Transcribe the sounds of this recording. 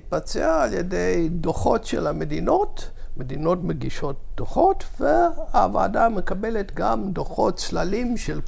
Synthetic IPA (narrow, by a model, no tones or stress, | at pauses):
t̚bat͡sḛaːljḛdejdoχo̞tʃḛlamedino̞tmed̪ino̞tmeɡiʃo̞t̚d̥oχo̞tveaːva̰ːdame̞kabeletɡamdoχo̞tt͡slalimʃel